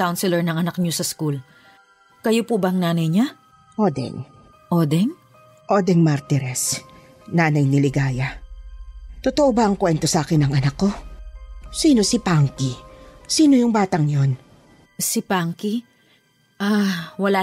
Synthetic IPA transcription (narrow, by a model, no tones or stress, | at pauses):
kawnsɪlɛɹnɐŋɐnɐk̚ɲosɐskul | kɐjopubɐɐŋnaːnɐjɲa | ʔoːd̪ɛ̰ŋ | ʔod̪ɛŋ | ʔoːd̪ɛŋmaɾt̪ɪɾɛs | naːnɐjnɪlɪɡaːja | t̪ot̪oʔobɐʔɐŋkwɛnt̪osɐʔaːkɪnɐŋɐnɐkːo̞ | siːno̞sɪpaŋkisiːno̞jʊŋbaːt̪ɐŋjo̞n | sɪpaŋki | ʔawɐla